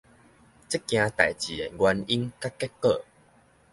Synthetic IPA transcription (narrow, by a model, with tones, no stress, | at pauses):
t͡se˦kj̃ã˧t̪a̰˨˩jt͡ɕi˨˩e˨˩ɡwa˧ni˦nka˦kɛ˦kə˥˧˨